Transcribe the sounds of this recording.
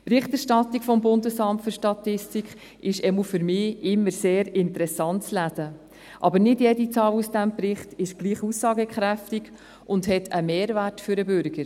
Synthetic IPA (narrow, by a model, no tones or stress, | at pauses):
pɾɪχtɛɾʃtɑt̪ːikfɔmbʊndəsɑmtfʏɾʃtɑt̪ɪstikχ | ʔɪʃɛmufʏɾmɪːɪmːəɾseːɾɪntəɾɛsɑntt͡slædə | ʔɑbəɾnɪdjɛdit͡sɑːlusd̥æmpɾɪχtɪʃɡ̥liːχusːɑːɡəkχɾæftiɡ | ʔʊndɦɛtʰəmeːɾværtfʏɾəbʏɾɡəɾ